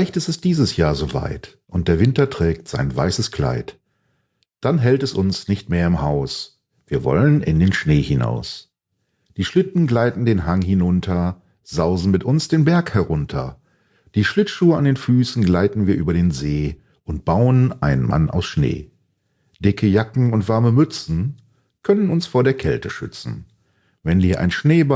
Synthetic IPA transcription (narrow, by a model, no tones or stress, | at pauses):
laɪçtɪstɛsd̥iːzəsjaːɐzoːva̰ɪt | ʔʊnt̚d̥eːɐvɪntɐtʁ̥ɛːk̚tz̥a̰ɪnva̰ɪsəskl̥a̰ɪt | d̥anɦɛltɛsʊnsnɪçtmeːɐɪmhaʊs | viːɐvɔ̰lənʔɪ̰ndeːnʃneːhɪna̰ʊs | d̥iːʃlɪtn̩ɡlaɪtn̩deːnɦaŋhɪnʊntʰɐ | zaʊzn̩mɪtʔʊnsd̥eːnbɛɐkhɛʁʊntʰɐ̰ | d̥iːʃlɪtʃuːəandeːnfyːsn̩ɡlaɪtn̩viːɐʔyːbɐɾeːnzeː | ʔʊnt̚b̥aʊənʔaɪnənmʔa̰na̰ʊsʃnḛː | d̥ɪkʰəjakŋ̩ʊntv̥aɐməmʏt͡sn̩ | kʰœnənʊnsfoːɐɾeːɐkʰɛ̰ltəʃʏ̰t͡sn̩ | vɛnviːɐʔa̰ɪnʃneːb